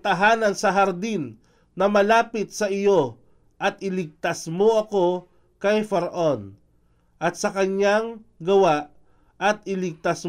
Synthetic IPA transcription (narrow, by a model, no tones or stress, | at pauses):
t̪ɐɦaːnɐnsɐɦɐɾd̪inː | ɐmɐlaːpɪt̪̚sɐʔɪjo̞ | ʔɐt̪̚ʔɪlɪɡ̚t̪asmoʔɐko̞ | kɐjfɐɾɐʔon | ʔɐt̪sɐkɐɲaŋɡɐwaʔ | ɐt̪̚ɪlɪɡ̚t̪as